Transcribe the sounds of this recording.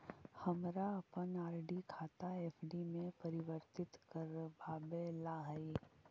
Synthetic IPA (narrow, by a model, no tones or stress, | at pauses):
hɐmɾaɐpənaːɾɖikʰaːt̪aeːfʰɖimẽpɐɾɪʋəɾt̪ɪt̪kəɾbʱaːbelaɦɐi